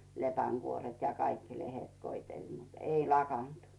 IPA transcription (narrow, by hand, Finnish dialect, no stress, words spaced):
lepæŋɡ̊uoret jɑ kɑikːi lehet koitel mut ei lɑkɑnt